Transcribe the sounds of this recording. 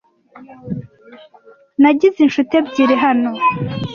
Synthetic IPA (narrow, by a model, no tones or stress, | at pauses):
naɟizinʃutebɟiɾeɦano